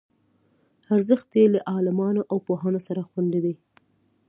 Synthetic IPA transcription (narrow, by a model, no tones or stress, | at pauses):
aɾzəxt̪jelaʔɑlɪmɑnoʔawpoɦanosaɾaxwand̪id̪i